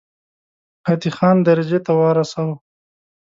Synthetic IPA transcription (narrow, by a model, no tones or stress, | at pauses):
pat̪ixɑnd̪aɾad͡ʒet̪awɑɾasaw